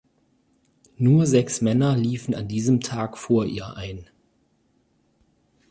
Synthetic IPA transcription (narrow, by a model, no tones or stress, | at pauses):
nuːɐzɛksmɛnɐliːfn̩a̰ndiːzəmtʰaːkfoːɐʔḭːɐʔaɪn